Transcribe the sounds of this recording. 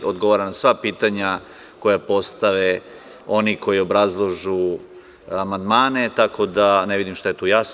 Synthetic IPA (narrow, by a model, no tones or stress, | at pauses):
od̪ɡoʋaɾanasʋapiːt̪aɲa | ko̞japo̞st̪aʋe | o̞niko̞jio̞bɾazlˠoʒu | amand̪maːne̞t̪akʰo̞d̪aneʋid̪imʃt̪aje̞t̪ujas